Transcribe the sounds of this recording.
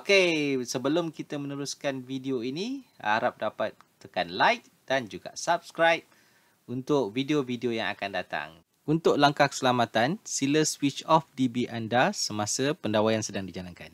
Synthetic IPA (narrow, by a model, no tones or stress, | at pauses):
okesəbəlʊmkit̪əmə̃nəɾuskanvideoinia̰ɾap̚dapat̪̚t̪ːəkanlajk̚d̥and͡ʒuɡa̰sap̚skɾajp̚ | unt̪ʊk̚videovideojaŋa̰kandat̪a̰ŋ | unt̪ʊk̚laŋkahkə̥səlamat̪ansiləswit͡ʃɔfdibiʔandasəmasəpəndawajansədaŋdid͡ʒalanka̰n